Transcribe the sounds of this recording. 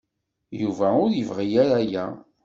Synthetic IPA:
juvæʊɾjəvʁijaɾæjæ̰

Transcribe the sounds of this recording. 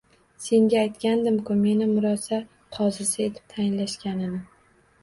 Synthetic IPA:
se̞ŋɡʲaːjt̪kʲand̪ɪmkʊme̞nɪmʊɾɒsa | qʰɒzɪsae̞t̪ʰɪ̥p̚t̪ʰajɪnlaʃkʲanɪnɪ

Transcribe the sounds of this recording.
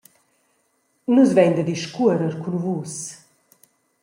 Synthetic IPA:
nuzvɛɲnd̪əd̪iʃkuəɾəɾkunuvuːs

